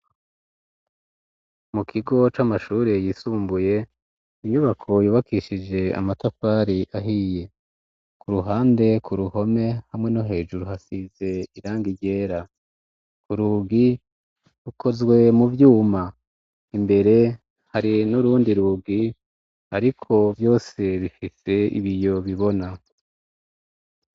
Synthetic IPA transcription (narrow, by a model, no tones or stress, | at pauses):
mukʰiɡo̞t͡ʃamaʃuːɾe̞jisuːmbuje̞ | iɲuβakʰo̞juːβakiʃid͡ʒe̞a̰matafaːɾiʔaɦije̞ | kʰuɾuɦaːnde̞kʰuɾuho̞me̞hamŋe̞noɦe̞ːʒuɾuhasize̞iɾaːŋɡiɟe̞ːɾa | kuɾuːɡi | ɾukʰo̞zɡwe̞muvjuːma | imbe̞ɾe̞ | haɾinuɾuːndiɾuɡi | aɾikʰo̞vjo̞ːse̞βifise̞ḭβijo̞βiβo̞na